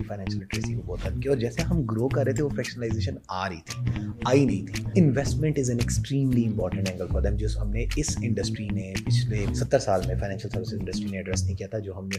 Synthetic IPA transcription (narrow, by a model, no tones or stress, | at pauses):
ifaːɪnɛ̃ːnʃəlɛʈɾeːsinboːt̪ɐlkiɔːɾd͡ʒɛːseɦɐmɡɾoːkɐɾːəɦet̪ʰeʋofɛːkʃənəlaːɪzeːʃənaːɾɐɦit̪ʰi̥ːaːinɐɦĩt̪ʰiɪ̃nʋɛsʈmə̃ɳʈɪzɛ̃neksʈɾĩːmliɪ̃mpɔːɾʈə̃ɳʈɛ̃ŋɡəlfɔːɾd̪ɛ̃md͡ʒɪsɦɐmneɪsɪ̃ɳɖəsʈɾinepɪt͡ʃʰlesɐt̪ːəɾsaːlmẽfaɪñɛ̃ːnʃəlsɐɾʋɪsɪzɪ̃ɳɖəsʈɾineɛɖɾɛsnɐɦĩkijat̪ʰad͡ʒoːɦɐmne